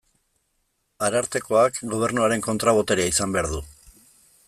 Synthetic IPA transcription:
aɾaɾt̪e̞ko̞akɡo̞β̞e̞ɾnuaɾe̞ŋko̞nt̪ɾaβ̞o̞t̪eɾeisambe̞aɾðu

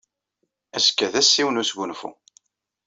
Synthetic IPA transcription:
æskːæðæsːiwnusɡʷunfṵ

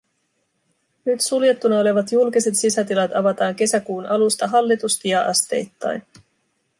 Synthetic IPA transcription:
nyt̪sulje̞t̪ːunɑo̞le̞ʋɑt̪julkise̞t̪sisæt̪ilɑt̪ɑʋɑt̪ɑːŋke̞sækuːnɑlust̪ɑɦɑlːit̪ust̪ijɑʔɑst̪e̞̰jt̪ːɑ̰jn

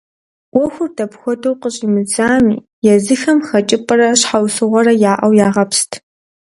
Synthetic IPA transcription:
wʷɔxʷʊrdʰɐpxʷɔdʰowqəɕʼimɨd͡zaːmiː | jɛzɨxɐmxɐt͡ʃʼɪpʼɨɾɐɕħawsɨʁʷɔɾɐjaːʔɐwjaːʁɐpstʰ

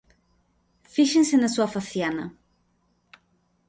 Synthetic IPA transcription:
fiʃensenasuafaθjanɐ

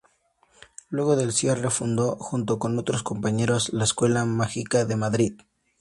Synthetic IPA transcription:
lwe̞ɣo̞ðe̞lsje̞re̞fund̪o̞xunt̪o̞ko̞no̞t̪ɾo̞sko̞mpaɲe̞ɾo̞zlaeskwe̞lamaxikaðe̞maðɾið

